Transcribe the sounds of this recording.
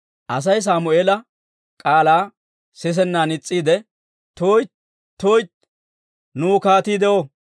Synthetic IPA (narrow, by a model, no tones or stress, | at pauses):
ʔɐs̬ɐjs̬aːmʊʔeːlɐ | kʼaːlaː | sɛs̬ɛnːaːnɪt͡sʼːiːd̪ɛ | t̪oːj̪ | t̪ːoːjt̪ | nuːkaːt̪iːd̪ɛʔo